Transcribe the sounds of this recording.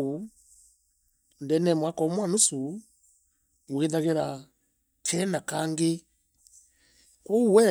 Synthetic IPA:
u | ndɛnɛmwakɔmwanusu | wweðaɣeɾa | tʰɛnakaŋɡe | kɔuwɛ

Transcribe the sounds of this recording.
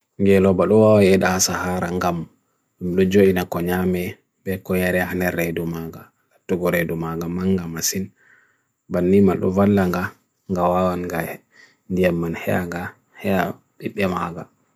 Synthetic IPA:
ŋɡɛlɔbaɗɔwawajɛɗahasahaɾaŋɡam | ɗumɗɔd͡ʒoʔinakɔɲamɛ | bɛkɔjaɾɛhanɛɾɛdumaɡa | latːuɡɔɾedumaɡamaŋɡamasin | banːimanɗɔ̰valːaŋɡa | ŋɡawawanɡa | ndijamːanhɛ̰ja̰ŋɡa | hɛja | ɓiɓːɛmaɡa

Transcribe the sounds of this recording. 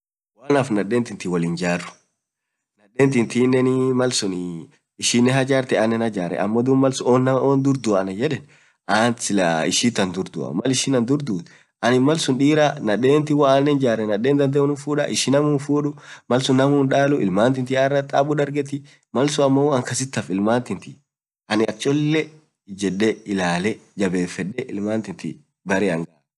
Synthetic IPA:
waːnɐfnɐᶑːeːnt̪ɪnt̪ɪwɔlɪnd͡ʒaːrːʊ̥ | nɐɗːeːnt̪ɪnt̪iːnːɛnɪmɐlsʊn | ɪʃɪnːɛɦɐd͡ʒaːɾt̪ɛanːɛnhɐd͡ʒaːɾɛ̰ʔɐ̰mːɔd̪ʊmɐlsʊoːnːɐmoːnd̪ʊɾd̪ʊɐnɐd͡ʒɛᶑɛn | aːnɪlɐ̰ɪ̰ʃiːt̪ːɐnd̪ʊɾd̪ʊ̰ɐ̰mɐlɪʃɪnɐnd̪ʊɾd̪uːt̪ | ʔɐnɪmɐlsʊnᶑiːɾanɐᶑe̞ːnt̪ɪwɐaːnːɛnd͡ʒaːɾɛnɐᶑeːnd̪ɐnd̪ɛʊnɪfuːᶑɐ̰ʔɪʃɪnɐmuːnfuːᶑʊmɐlsʊnːɐmuːnᶑaːlʊʔɪ̰lmaːnt̪ɪnt̪ɪarːɐt̪ʼaːbʊᶑɐɾɡɛt̪ɪ | mɐlsʊɐmːɐwɐŋkɐs̬ɪt̪ːɐfɪlmaːnt̪ɪnt̪ɪ | ʔɐnɪɐt͡ʃʼːɔlːɛ | d͡ʒɛɗːɛɪlaːlɛd͡ʒɐbeːfɛᶑːɛʔɪlmaːnt̪ɪnt̪ɪ̰ | bɐɾɪɐŋɡɐʔ

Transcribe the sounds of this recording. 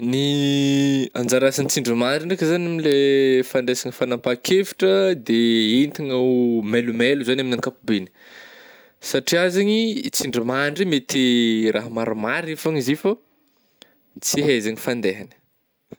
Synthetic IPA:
ni | a̰nd͡zaɾasanit͡siɳɖ͡ʐimaɳɖ͡ʐiɳɖ͡ʐekəzanamilefand̪esaɲifanampakʰefi̥ʈ͡ʂəd̪eint̪iŋamelumeluzanaminaŋkapubeni̥ | saʈ͡ʂiazaɲit͡siɳɖ͡ʐimaɳɖ͡ʐimet̪erʔaɦmaɾumaɾifaɲizifo | t͡siɦezaɲifand̪eɦanə̥

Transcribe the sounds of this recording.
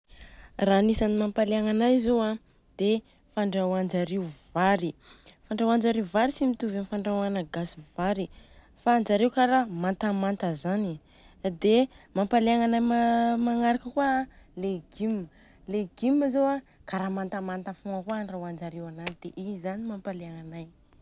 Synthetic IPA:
ranisanimampaleaŋanajzowã | d̪̥e | faɳɖ͡ʐawand͡ʒaɾeuvaɾifaɳɖ͡ʐawand͡ʒaɾeuvaɾit͡simit̪uvanifaɳɖ͡ʐawanaɡasiv̥aɾi | faːnd͡ʒaɾewkaɾamant̪amant̪əzani | d̪emampaleaŋanajmamaŋaɾakəkua | leɡimːə | leɡ̥iməzowa | kaɾamant̪amant̪afoakuanrawand͡ʒaɾewananid̪̥eʔizanimampaleaŋanaj

